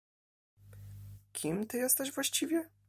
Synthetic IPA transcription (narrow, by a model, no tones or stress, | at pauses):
kʲʰimt̪ɘjɛst̪ɛʒvwaɕt͡ɕivʲjɛ